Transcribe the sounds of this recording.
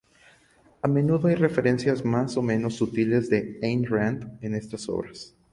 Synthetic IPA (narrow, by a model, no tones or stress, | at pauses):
ame̞nuðo̞ajre̞fe̞ɾe̞nsjazmaso̞mẽ̞no̞sut̪ile̞zðe̞ejnrand̪ene̞st̪aso̞̰βɾas